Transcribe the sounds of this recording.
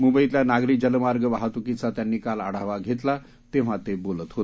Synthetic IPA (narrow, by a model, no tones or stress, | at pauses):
mumbəit̪ljanaɡɾikd͡ʑəlmaɾɡəʋaɦat̪ukit͡sat̪janːiːkala̰ɽ̤aʋaɡʱet̪la | t̪eʋ̤ãt̪ebolət̪ɦot̪